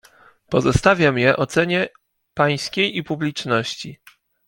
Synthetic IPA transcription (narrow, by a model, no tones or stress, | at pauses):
pɔzɔst̪avʲjamjɛʔɔt̪sɛɲɛ | paj̃skʲejipublʲit͡ʂnɔɕt͡ɕi